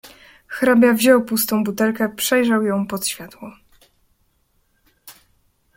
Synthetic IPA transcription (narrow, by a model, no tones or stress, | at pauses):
xɾabʲjavʑɔwpust̪ɔ̃w̃but̪ɛlkɛpʂɛjʐawjɔ̃w̃pɔt̪ɕfʲjat̪wɔ